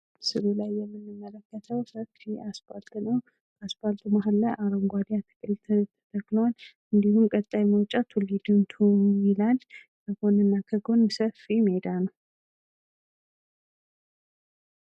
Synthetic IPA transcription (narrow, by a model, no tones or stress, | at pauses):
sɨɾulajːɛmːɨnːɨmːələkːət̪ʰəwsəkiaspalt̪ʼnəw | asbalt̪ʼmaɦalːajʔaɾomɡwad̪jat̪ʰɨ̥kʼɨnt̪ʰət̪ʰə̥t̪ʰəkːləwal | ɨnd̪ihumkʼət̪ʼːajməwt͡ʃʼat̪ʰulid̪ɨnt̪ʰumilal | kʰəɡo̞nɨnːakʰəɡo̞nsəfimhed̪anə